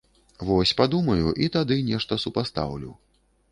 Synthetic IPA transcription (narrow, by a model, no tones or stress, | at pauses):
vɔsʲpad̪umɐjuʔit̪ad̪ɨnʲɛʂt̪ɐsupast̪a̰wlʲḭw